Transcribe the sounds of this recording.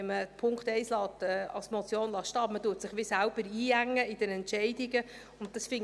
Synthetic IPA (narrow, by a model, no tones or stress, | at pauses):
ɛməpʰʊŋktɛɪslɑːtɛɑ̰lsmɔt͡sjoːnlɑːʃtɑːmətuətsɪχʋɪsælb̥əɾiːæŋːəɪd̥ənɛntʃɛɪdiɡə | ʊnt̚d̥ɑsfɪŋ